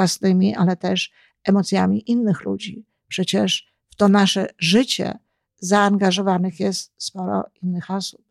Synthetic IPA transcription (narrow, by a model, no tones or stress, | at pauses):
wasnɘmʲiʔalɛt̪ɛʂ | ɛmɔt̪sʲjamʲiʔinːɘxlṵd͡ʑi | pʂɛt͡ɕɛʂ | ft̪ɔnaʂɛʐɘt͡ɕɛ̰ | zaːŋɡaʐɔvanɘxjɛst̪spɔɾɔ̰inːɘxɔsu̥p̚